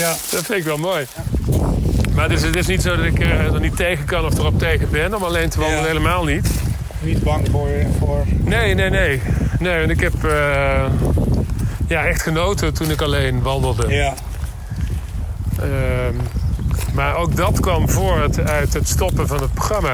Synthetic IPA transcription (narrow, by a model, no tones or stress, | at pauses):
d̥ɑtfɪntɪkʋɛlˠmoːj | maːɹdɵs̬ətɪs̬nitsowdɑtɪkdɔnitejɣənkɑnɔfdərɔp̚tejɣənbɪnɔmɑlejntəʋɑnddələɦejləmaːlˠnit | nitbɑŋvʊːɹvoɹnejnejnejnejʋɑnɪkɦɛpː | jaːʔɛxtχənowtətunɪkɑlejnʋɑndəlˠdə | m | maːɹowk̚dɑtkʋɑmvʊːɹtœɥtɦətstɔpənvɑnɦət̚proxrɑma